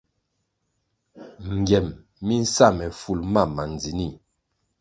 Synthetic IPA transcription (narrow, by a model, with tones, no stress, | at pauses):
ŋ˨ɡɛ˨m | mi˦n̩˦sa˦˨mɛ˨fu˨lma˦˨ma˨n˨d͡zi˨ni˦˨